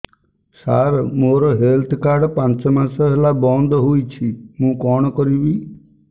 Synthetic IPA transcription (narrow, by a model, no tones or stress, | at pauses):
saɾmoɾɔɦelt̪ʰkaɾɖpãnt͡ʃɔmasɔɦelabɔnd̪ʱɔɦujt͡ʃʰimũkɔɽ̃ɔkɔɾibi